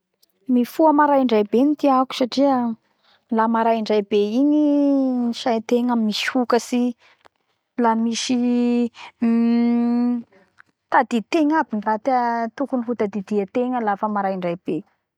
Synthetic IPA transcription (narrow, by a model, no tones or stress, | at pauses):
mifuəmaɾajiɳɖ͡ʐajbenit̪iaku̥saʈ͡ʂiə | lamaɾajiɳɖ͡ʐajbeiɲiniʃajt̪eŋamimiʃi̥hukəsi | lanimiʃi | t̪ad̪it̪eŋabinirat̪ət̪ukunifut̪ad̪id̪iat̪eŋəlafəmaɾajiɳɖ͡ʐajb̥e